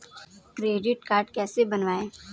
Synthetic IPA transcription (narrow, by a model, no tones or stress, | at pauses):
kɾeːɖɪʈkaːɾɖkɛːsebɐnʋaːeː